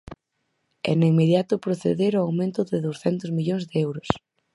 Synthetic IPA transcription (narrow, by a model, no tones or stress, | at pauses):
ɛ̰neimeðjat̪ʊpɾoθḛðeɾoawmẽnt̪ʊðɪðowsθɛnt̪ʊzmiʎoŋzðeɛwɾʊs